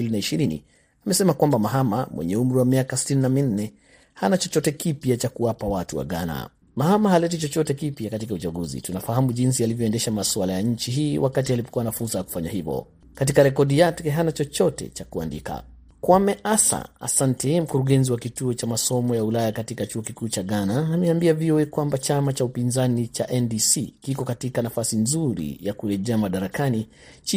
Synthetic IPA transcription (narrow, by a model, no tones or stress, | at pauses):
ilinaiʃiɾinḭ | amɛsɛmakwambamaɦama̰mwɛ̰ɲɛum̩ɾiwamiakasi̥tininamin̩nɛ | hanat͡ʃɔt͡ʃɔtɛkipjat͡ʃakuwapawatuwa̰ɠa̰na̰ | mahamahalɛt̬it͡ʃɔt͡ʃɔtɛkipjakatikaut͡ʃaɠuzḭtunafaɦamuʄinsialivjɔɛndɛʃamaswalajaɲ̩t͡ʃiɦiːwakatialipɔ̥kuwanafuɾsajaku̥faɲaɦivɔ̰ | katikaɾɛkɔɗijatɛɦanat͡ʃɔt͡ʃɔtɛ̰t͡ʃakua̰ndḭka̰ | kwamɛʔasa̰a̰santɛm̩kuɾuɠɛnziwakituɔt͡ʃamasɔmɔjaulajakatikat͡ʃuɔkikuːt͡ʃaɡanaːmɛambiaviɔɛkwambat͡ʃamat͡ʃaupinzanit͡ʃaʔɛndisikikɔkatikanafasinzuɾḭjakuɾɛʄɛamaɗaɾakani | t͡ʃi